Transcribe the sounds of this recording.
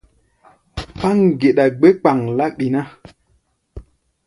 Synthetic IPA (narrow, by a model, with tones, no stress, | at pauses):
pa˦ŋɡe˨ɗa˨ɡ͡be˦k͡pa˨ŋla˦ɓi˨na˦